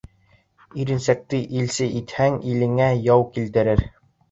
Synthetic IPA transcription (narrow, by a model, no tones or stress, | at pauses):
iɾɘ̆nsæk̚t̪ɘʔilsɘʔit̪hæŋilɘ̆ŋæjɑwkilt̪ɘ̆ɾɘɾ